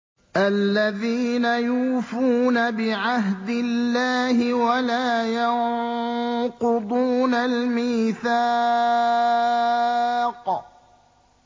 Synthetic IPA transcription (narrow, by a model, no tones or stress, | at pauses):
ʔalːaðiːnajuːfuːnabɪʕaɦd̪ɪlːaːhɪwalaːjɑŋ | qʊd̪ˤuːnalmiːθaː | q